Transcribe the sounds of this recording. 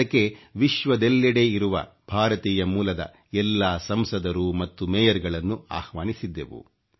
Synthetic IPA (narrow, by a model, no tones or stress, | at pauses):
ɐkːe̞ʋiʃʋɐd̪elːɛɽe̞iɾuʋɐ̰ | b̥ʱaːɾɐt̪iːjɐmuːlɐd̪ɐ̰ | ɛlːaːsɐmsɐd̪ɐɾumɐt̪ːumɛːjɐɾɡɐɭɐnːua̰ːhʋaːnisid̪ːeʋṵ